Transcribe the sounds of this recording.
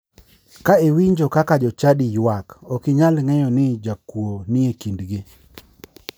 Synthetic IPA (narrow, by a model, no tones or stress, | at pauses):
kaewiɲd͡ʒokakad͡ʒɔt͡ʃadijwakɔkɪɲalŋɛjɔnɪd͡ʒakwonɪekindɡi